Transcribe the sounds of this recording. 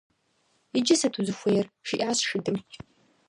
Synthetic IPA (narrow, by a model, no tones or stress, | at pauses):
id͡ʒɪsɐtʰuzɨxʷejɛrʂiʔaːsʂɪdɨmt͡ʃʼ